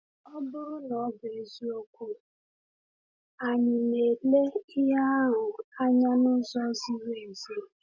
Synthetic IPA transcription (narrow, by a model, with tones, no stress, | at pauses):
ɔ˦bʊ˦ɾʊ˦nɔ˨˦be˨zi˦o˦kʷu˦ | a˨ɲɪ˨ne˨le˦ɪ˦ɦa˦ɦʊ˨a˦ɲa˦nʊ˦zɔ˦zi˦ɾe˦˨e˨zi˦˨